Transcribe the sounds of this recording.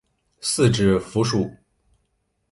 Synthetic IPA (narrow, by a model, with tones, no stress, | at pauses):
sɹ̩˥˧ʈ͡ʂɻ̩˥˩fu˧˥ʂu˥˩